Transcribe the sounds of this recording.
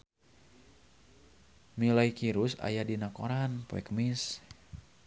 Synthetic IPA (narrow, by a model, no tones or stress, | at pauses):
milaikiɾusa̰jadinakoɾanpo̰ɛkəmis